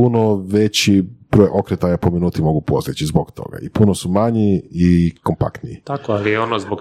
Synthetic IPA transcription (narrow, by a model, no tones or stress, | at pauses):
unoʋet͡ɕib̥ɾojʔo̞kɾet̪ajapominuːt̪imo̞ɡupo̞st̪it͡ʃizbokt̪ʰo̰ɡa̰ipunosumaɲiiko̞mpa̰kt̪nijḭt̪akoalieonozbok